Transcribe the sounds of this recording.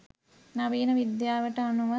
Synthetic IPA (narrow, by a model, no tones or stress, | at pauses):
nɐʋiːnɐʋid̪jaːʋəʈəanuʋɐ